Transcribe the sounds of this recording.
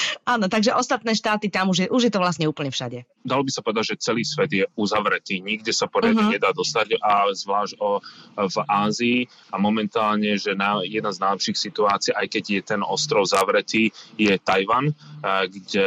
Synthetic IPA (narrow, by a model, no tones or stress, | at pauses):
aːnɔt̪aɡʒɛʔɔst̪at̪nɛːʃt̪aːt̪it̪amuʒjɛʔuʒjɛt̪ɔʋlasɲɛuːpl̩ɲɛfʃaɟɛ | d̪alɔbisapɔʋɛd̪aɟʒɛt͡sɛliːsʋɛd̪jɛuzaʋɾɛt̪iːɲiɡɟɛsapɔɾaiɲɛd̪aːd̪ɔst̪aɟazʋlaːʒɔvaːziː | amɔmɛnt̪aːlɲɛʒɛnajɛd̪naznajlɛpʃiːxsit̪uaːt͡siɛʔajkɛɟjɛt̪ɛnɔst̪ɾɔʊzaʋɾɛt̪iːjɛt̪ajʋanɡɟɛ